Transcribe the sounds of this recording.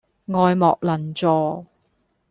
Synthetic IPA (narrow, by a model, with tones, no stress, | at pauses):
ŋɔː˨jmɔ̰ː˨k̚lɐ˨˩nt͡sɔː˨˧